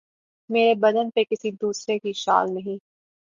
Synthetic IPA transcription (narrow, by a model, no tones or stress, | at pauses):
meːɾebɐd̪ənpekɪsid̪uːsɾekiʃa̰ːlnɐɦĩː